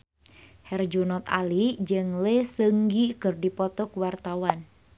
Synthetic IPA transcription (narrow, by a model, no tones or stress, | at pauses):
hɛrd͡ʒunɔt̪a̰lid͡ʒɨŋlesəŋɡikɨrdipɔt̪ɔkuwart̪awan